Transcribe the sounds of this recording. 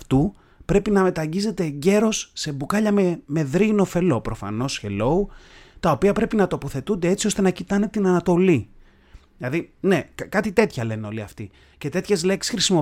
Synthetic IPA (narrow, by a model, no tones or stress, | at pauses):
ft̪u | pɾe̞pinɐme̞t̪ɐɲɟize̞t̪e̞ːɲɟe̞ɾo̞sːe̞bukɐʎɐmeme̞ðɾino̞fe̞lo̞pɾo̞fɐ̰no̞sçe̞̰lo̞ut̪ɐo̞piɐpɾe̞pinɐt̪o̞po̞θe̞t̪und̪e̞et͡siost̪e̞nɐcit̪ɐne̞t̪inɐnɐt̪o̞li | ðilɐðine̞kkɐt̪it̪e̞t̪çɐle̞neo̞liɐft̪i | ce̞t̪e̞t̪çe̞zle̞ksi̥sxɾisimo